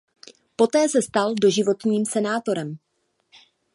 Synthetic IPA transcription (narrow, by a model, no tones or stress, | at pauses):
po̞t̪ɛːsɛst̪aldo̞ʒɪvo̞t̪ɲiːmsɛnaːt̪o̞ɾɛm